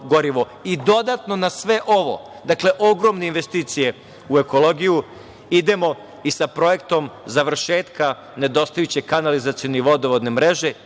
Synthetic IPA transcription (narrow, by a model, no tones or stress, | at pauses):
ɡo̞ɾiʋo̞ | id̪o̞d̪at̪no̞nasʋe̞ʔo̞ʋo̞̰ | d̪akle̞ʔo̞ɡɾo̞mneinʋe̞st̪iːt̪sije̞ | ue̞ko̞lo̞ɡiju | id̪e̞mo̞ | isapɾo̞je̞kt̪o̞mzaʋr̩ʃeːt̪ka | ne̞d̪o̞st̪ajut͡ɕekanalizat̪sioniʋo̞d̪oʋod̪ne̞mɾeʒe̞